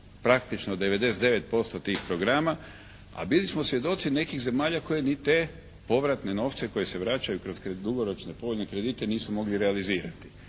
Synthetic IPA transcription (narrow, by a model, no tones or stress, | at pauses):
pɾakt̪it͡ʃnod̪e̞ʋe̞d̪e̞set̪e̞ʋe̞t̪̚po̞st̪o̞t̪iːxpɾo̞ɡɾama | a̰bilismo̞sʋje̞d̪o̞t̪sine̞kiɣze̞maːʎako̞je̞nit̪e̞ | po̞ʋɾat̪ne̞no̞ːft̪se̞koje̞se̞ʋɾat͡ʃajukɾo̞z̥ked̪uɡoɾo̞t͡ʃne̞po̞oʎne̞kɾe̞d̪iːt̪e̞niːsumo̞ɡliɾealiziːɾat̪i̥